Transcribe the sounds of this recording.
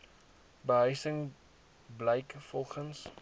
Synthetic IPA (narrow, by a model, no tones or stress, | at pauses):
bəɦœɥsəŋ | bləjkfɔlˠχəns